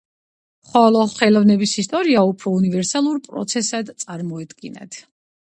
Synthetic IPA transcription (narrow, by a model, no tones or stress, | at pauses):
χɔlˠɔχɛlɔvnɛbisist̪ʼɔɾiaupʰɾɔunivɛɾsalˠuɾpʼɾɔ̰t̪sʰɛsad̪t̪sʼaɾmɔɛd̪ɡina̰t̪ʰ